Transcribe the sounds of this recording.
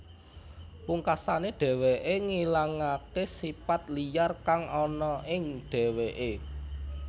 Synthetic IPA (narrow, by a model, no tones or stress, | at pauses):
puŋkasaneɖ̥ɛ̤weʔeŋilaŋakesipat̪lijarkaŋɔnɔʔɪŋɖ̥ɛ̤weʔe